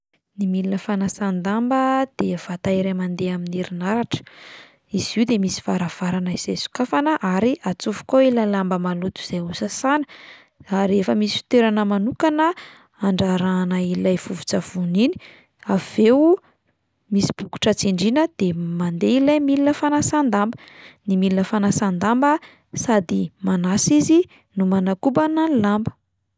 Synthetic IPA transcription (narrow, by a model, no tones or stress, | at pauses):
nimilinəfanasand̪ambəd̪̥ev̥at̪aiɾemand̪eaminiɾinaɾaʈ͡ʂə̥ | iz̥iwd̪emisi̥vaɾav̥aɾanəiz̥esu̥kafanəʔaɾiʔat͡sufu̥koilalambəmalut̪u̥z̥ejusasanə̥ | aɾefəmisi̥fi̥t̪eɾanəmanukanə | aɳɖ͡ʐaɾanailajv̥uvut͡sav̥unini̥ | av̥ew | misi̥b̥uku̥ʈ͡ʂət͡siɳɖ͡ʐinəd̪̥emand̪eilajmilinəfanasand̪ambə | nimilinəfanasand̪ambə | sad̪imanasizi | numanakubanalambə̥